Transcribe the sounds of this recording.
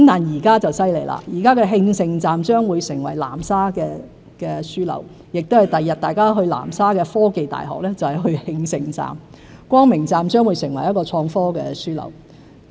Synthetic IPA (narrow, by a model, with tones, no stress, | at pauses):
mt̪aː˨˩njiː˨˩kaː˥t͡sɐ˨wsɐ˥jle˨˩jlʔa̰ː˧jiː˨˩kaː˥kɛː˧ɦɪ˧ŋsɪ˧ŋt͡saː˨mt͡ʃœː˥ŋwuː˨˧jsɪ˨˩ŋwɐ̰˨˩jla̰ː˨˩msaː˥kɛː˧ | kɛː˧syː˥lɐ̰˨˩w | jɪ˨k̚t̪whɐ˨jt̪ɐ˨jːɐ˨t̪̚t̪aː˨jkaː˥ɦɵ˧ɥla̰ː˨˩msaː˥kɛː˧fɔː˥ke˨jt̪a̰ː˨jɦɔ̰ː˨k̚lɛː˥t͡sɐ˨whɛ˨jɦɵ˧ɥhɪ˧ŋsɪ˨˧ŋt͡sa̰ː˨m | kʷɔː˥ŋmɪ˨˩ŋt͡saː˨mt͡ʃœː˥ŋwuː˨˧jsɪ˨˩ŋwɐ˨˩jɐ˥t̚kɔː˧t͡ʃʰɔː˧ŋfɔː˥kɛː˧syː˥lɐ̰˨˩w